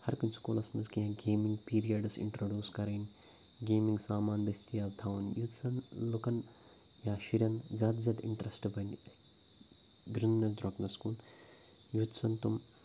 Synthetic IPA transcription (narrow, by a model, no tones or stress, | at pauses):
hɐɾkɐnsu̥koːlɐsmɐzkiɦɐ̃ɡeːmiŋɡpiːɾijɐɖɨsḭɳʈɾoːɖʲjuːskɐɾɐːn | ɡeːmiŋɡsaːmaːnd̪ɐst̪ʰijaːʋt̪ʰaːʋunjut̪sɐnlukɐn | jaːʃiɾʲjɐnzaːd̪zɐd̪ḭɳʈɾɐsʈbʱɐn | ɡɾinːɐd̪ɾoknɐskuːn | jud̪sɐnt̪um